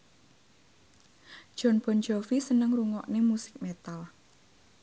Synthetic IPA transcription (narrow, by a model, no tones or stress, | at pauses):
ʒ̥ɔ̤nb̥ɔ̤nd͡ʒɔfisənəŋruŋɔʔnemusɪ̥k̚met̪al